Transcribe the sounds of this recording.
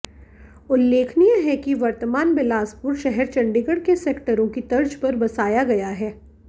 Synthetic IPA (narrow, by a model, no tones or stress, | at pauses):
ʊlːeːkʰnijaɦɛkiʋɐɾt̪əmaːnbɪlaːspʊɾʃɐɦɛɾt͡ʃɐ̃ɳɖɪɡəɽkeseːkʈəɾõkit̪ɐɾd͡ʒpɐɾbɐsaːjaɡɐjaɦɛː